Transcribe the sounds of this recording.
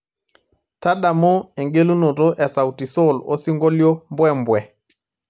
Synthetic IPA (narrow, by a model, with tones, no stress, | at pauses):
ta˦ɗa˨mɔ˦ɛ˨ŋɡe˦lu˦nɔ˨tɔ˦ʔɛ˨sa˨wti˨sɔ˦˨lɔ̰˦si˦ŋɡɔ˦ljɔ˦mbwɛ˦mbwɛ˨